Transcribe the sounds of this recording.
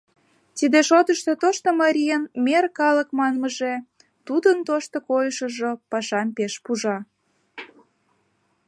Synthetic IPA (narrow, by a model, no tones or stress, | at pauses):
t̪id̪eʃot̪əʃt̪ot̪oʃt̪omɑɾʲijənmerkɑləkmɑnməʒe | t̪ud̪ənt̪oʃt̪okojəʃəʒopɑʃɑmpeʃpuʒɑ